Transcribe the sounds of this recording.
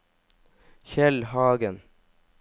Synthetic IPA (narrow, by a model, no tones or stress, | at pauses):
çɛlhɑːɡən